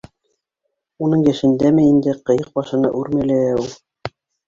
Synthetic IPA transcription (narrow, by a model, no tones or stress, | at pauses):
unɤɴjæʃɘ̆nd̪æmɘind̪ɘqɤ̆jɤq̚bɑʃɤ̆nɑ̰ʔʉɾmæ̆lææulˠ